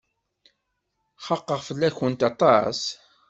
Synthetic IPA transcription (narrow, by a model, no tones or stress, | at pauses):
χɑqːəʁfəlːæçənt̪ɑt̪ˤɑs